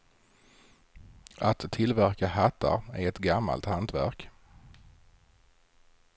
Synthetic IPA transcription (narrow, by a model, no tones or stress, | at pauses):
at̪ʰːɪlvæɾkahat̪ʰːa̰ɾæɾɛt̪ɡamːa̰lt̪hant̪væ̰ɾk